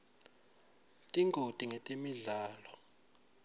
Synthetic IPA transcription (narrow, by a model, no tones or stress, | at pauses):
tʼiŋɡʱotʼiŋetʼemiɮaːlɔ